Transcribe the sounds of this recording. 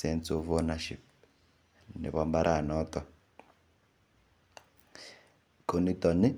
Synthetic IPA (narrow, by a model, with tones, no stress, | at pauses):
sɛnsɔvɔ˦naʃḭ˨p̚ | nɛ̰˨βa˨mba˦ɾʔa˨nɔ˦t̪ɔ˨ | kʰo˨ni˦t̪ɔ˨ni˦